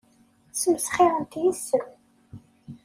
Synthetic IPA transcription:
səmsχɪʁənt̪jisːə

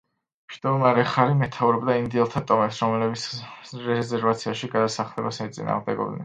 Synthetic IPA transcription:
mʃd̪̥ɔmaɾɛχaɾimɛt̪ʰauɾɛbd̪aind̪iɛlˠt̪ʰat̪ʼɔmɛpsɾɔmɛlɛbit̪sɾɛzɛɾvat̪sʰiaʃiɡad̪asaχlɛbasmɛt̪sʼḭna̰ːʁmd̪ɛɡɔ̰bd̪nɛ̰n

